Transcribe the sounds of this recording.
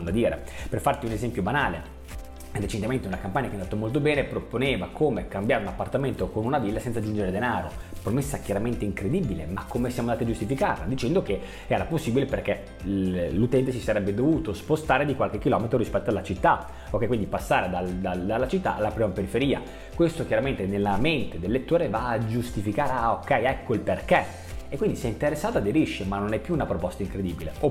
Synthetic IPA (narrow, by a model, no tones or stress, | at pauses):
nd̪ad̪iːɾḛ | perfart̪iunezɛmpjobanaːle | d̪et͡ʃent̪ivment̪eunakampaɲːakeanaːt̪ːomolt̪obɛːnepɾoponeːvakoːmekambjaːɾeunapːart̪ament̪okonunavilːasɛnsad͡ʒund͡ʒeɾed̪enaːɾopɾomesːakjaɾament̪eiŋkɾed̪ibilemakʰːomesjamoand̪at̪iad͡ʒust̪ifika̰rla̰d̪it͡ʃɛnd̪oke | ɛːɾaposːibileperke | lut̪ɛnt̪esisaɾɛbːed̪ovuːt̪ospost̪aːɾed̪ikwalk̟ekːilɔmet̪ɾoɾispɛt̪ːoalːat͡ʃit̪ːa | okːɛjkwind̪ipasːaːɾed̪ald̪ad̪alːat͡ʃit̪ːa̰ʔalːapɾiːmapeɾifeɾiːa̰ | kwest̪okjaɾament̪enelːament̪ed̪elːet̪ːoːɾevaːd͡ʒust̪ifikaːɾeaokːɛjɛkːoilperke | ekːwind̪isɛint̪eɾesːaːt̪oad̪eɾiʃːemanːonɛpːjuːnapɾopɔst̪aiŋkɾed̪iːbileo